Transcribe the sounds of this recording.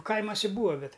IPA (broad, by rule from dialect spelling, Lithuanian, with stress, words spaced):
ˈkɐɪmoːsʲɛ ˈbuːʋɐ ˈbʲɛt